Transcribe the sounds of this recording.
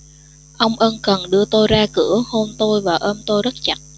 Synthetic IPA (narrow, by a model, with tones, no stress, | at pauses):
ʔə˧wŋ͡mʔə˧nkə˨˩nɗɨ˧ət̪o˧jzaː˧kɨ˧˩˦əho˧nt̪o˧jvaː˨˩ʔəː˧mt̪o˧jzə˦˥t̚t͡ɕa˨˦˩t̚